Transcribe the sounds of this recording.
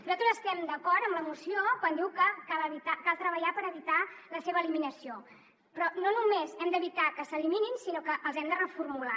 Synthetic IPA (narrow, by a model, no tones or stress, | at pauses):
nuzat̪ɾəzəst̪ɛmd̪əkɔɾt̪əmləmusiokwand̪iwkəkaləβit̪akalˠt̪ɾəβəʎapəɾəβit̪aləseβəliminəsio | pɾɔnonumezɛmd̪əβit̪akəsəlimininsinokəʔəlˠzɛmd̪ərəfurmula